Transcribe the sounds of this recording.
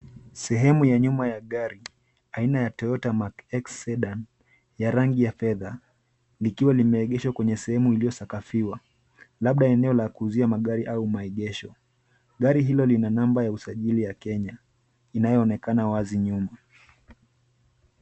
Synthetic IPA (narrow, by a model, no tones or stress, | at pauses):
sɛɦɛmujaɲumajaɠaɾi | ainajatɔɔtamakɛksɛɗan | jaɾaŋɡijafɛða | likiwalimɛːɠɛʃwakwɛɲɛsɛhɛmuilijɔsakafiwa | laɓ̚ɗaɛnɛɔlakuziamaɠaɾiʔaumaɛɠɛʃɔ | ɠaɾiɦilɔlinanambajausaʄilijakɛɲa | inajɔːnɛkanawaziɲuma